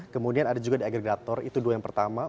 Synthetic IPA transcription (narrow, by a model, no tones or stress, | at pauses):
kəmudianadad͡ʒuɡadiaɡriɡat̪ɔrḭt̪uduajaŋpərt̪ama